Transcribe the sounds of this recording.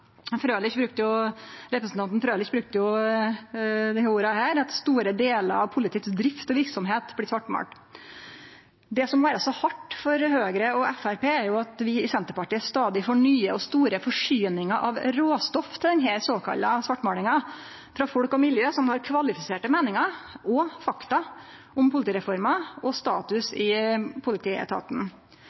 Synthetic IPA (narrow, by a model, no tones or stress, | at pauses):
fɾøːlɪçbɾʉk̚t̪əjʊɾɛpɾəsn̩t̪ɑnnfɾøːlɪçbɾʉk̚t̪əjʊ | d̪ɛhuːɾɑhæːɾɑt̪st̪uːɾəd̪eːlə̰ɾɑʋpʰʊlɪt̪ʰɪːt̪sd̪ɾɪft̪ɔʋɪɾksɔmɦeːt̪blɪsʋɑʈːmɑ̰ːʈ | d̪ɛsɔmːɔʋæːɾɑsɔhɑʈːfɔɾhøːɡɾəɔʔɛfæɾpeːæɾjʊɑt̪ʋɪɪsɛnt̪əɾpɑʈiːəst̪ɑːd̪ɪfɔɳyːəɔst̪uːɾəfɔʂyːnɪŋɑʔɑʋɾoːst̪ɔft̪ʰɪld̪ɛnɦɛsoːkʰɑ̰lːɑsʋɑʈːmɑːlɪŋɑ | fɾɑːfɔɽkɔmɪljøːsɔmhɑɾkʰʋɑlɪfɪseːʈəmeːnɪŋɑɔfɑkt̪ɑ | ʊmpʰʊlɪt̪iːɾɛfɔɾmɑɔst̪ɑːt̪ʉsɪpʰʊlɪt̪ʰiːɛ̰t̪ʰɑ̰ːt̪n̩